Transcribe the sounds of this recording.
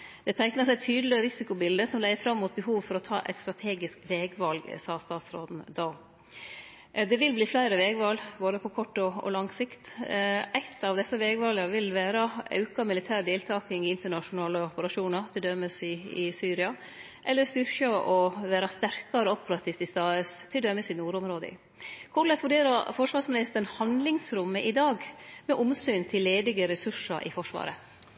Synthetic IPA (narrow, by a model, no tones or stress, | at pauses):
d̪̥ɛt̪ʰæɪknɑsæɪt̪ʰyːd̪lɪəɾɪsɪkʊbɪld̪əsɔmlæɪəfɾɑmːuːt̪̚bəɦuːʋfɔɾɔt̪ʰɑ̰ːʔæ̰ɪt̪st̪ɾɑt̪ʰeːɡɪskʋeːɡʋɑlɡsɑːst̪ɑːt̪sɾoːd̪n̩d̪ɑː | d̪ɛʋɪlbliːflæɪɾəʋeːɡʋɑlɡboːd̪əpʰɔkʰɔʈːɔɔ̰lɑŋsɪkt̪ʔæɪt̪ʰːɑʋd̪ɛsːəʋɛːɡʋɑlɡɑʋɪlʋæːɾɑʔɑ̰ʉkɑmɪlɪt̪ʰæːɾd̪eːlt̪ʰɑːkɪŋɪɪnt̪əɳɑʂʊnɑːləɔpəɾɑʂuːnɑɾt̪ʰɪld̪œməsɪɪsyːɾɪɑ | ʔɛlːəɾst̪ʏɾçɑʔɔʋæːɾɑst̪æɾkɑɾəɔpəɾɑt̪ʰiːft̪ɪst̪ɑːʉst̪ʰːɪld̪œməsɪnuːɾʊmɾoːd̪ə̰ɪ̰ | kʰʊɭəsʋʉɖeːɾɑɾfɔʂʋɑːʂmɪnɪst̪əɳhɑnd̪lɪŋsɾʉmːəʔɪd̪ɑːɡmɛʔʊmsyːnt̪ʰɪlːeːd̪ɪɡəɾɛsʉʂɑ̰ɾʔɪ̰fɔʂʋɑ̰ːɾə